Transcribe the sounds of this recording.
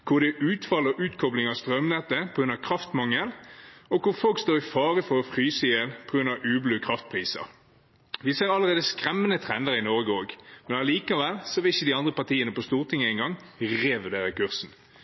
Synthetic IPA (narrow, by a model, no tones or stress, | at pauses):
kʰʊʁd̪ɛʔʉːt̪fɑlːɔʔʉːt̪kʰɔblɪŋɑst̪ʁœmnɛt̪ːəpʰɔɡɾʉnɑkʰʁɑft̪mɑŋːəlɔkʊʁfɔlkst̪oːʁɪfɑːʁəfɔʁɔfʁyːsəjɛlpʰɔɡɾʉnːɑʔʉːblʉːkʰʁɑft̪̚pʰʁiːsɑ̰ | ʋɪsɛɑləʁeːd̪əskʁɛmːənət̪ʰʁɛnd̪əʁɪnɔʁɡoːɡmɛnɑliːkɑʋɛlsɔʋɪlɪçːəd̪ɪɑnd̪ʁəpɑʁt̪iːənəpɔst̪uːʁt̪ʰɪŋːəæɪnɡɑŋ | ʁeːʋʉd̪eːʁəkʉʁsn̩